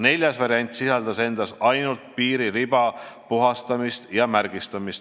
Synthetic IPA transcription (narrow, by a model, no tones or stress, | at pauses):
ne̞lʲjɑsvɑɾiɑnʲt̪ˑsisɑld̪ɑse̞nd̪̥ɑsɑjnult̪̚piːɾiɾibɑpuɦɑst̪ɑmist̪jɑmæɾɡ̥ist̪ɑmist̪